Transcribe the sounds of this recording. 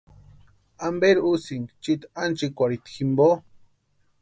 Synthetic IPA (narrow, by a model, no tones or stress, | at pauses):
ambeɾusiŋt͡ʃit̪ant͡ʃikʷaɾit̪ximbo